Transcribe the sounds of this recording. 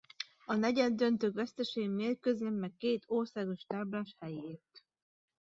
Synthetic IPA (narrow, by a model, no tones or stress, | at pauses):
ɒnɛɟɛnd̪ønt̪øːkʋɛst̪ɛʃeːimeːrkøzɛmmːɛkːeːt̪ʰorsaːɡo̞ʃt̪aːblaːʃhɛjeːrt̪